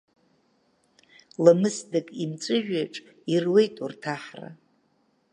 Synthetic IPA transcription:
lamɨsdakʼimt͡sʷʼɨʒᶣaʈ͡ʂʼ | irwejtʼurtʰaħra̰

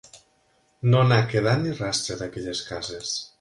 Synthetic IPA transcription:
nonakeð̞at̪nirast̪ɾeðakɛʎeskazes

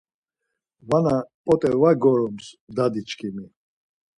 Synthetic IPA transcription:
vanapʼɔt̪ʼɛvaɡɔɾɔmsd̪ad̪it͡ʃʰʼkʰʼimi

